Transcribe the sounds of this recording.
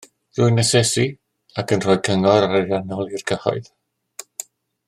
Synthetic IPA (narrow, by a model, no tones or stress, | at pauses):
ð̥ʊjnɛsɛsi | akʰənr̥ɔjkʰəŋɔɾaɾaɾjanɔlˠirkʰəhɔ̰ɨð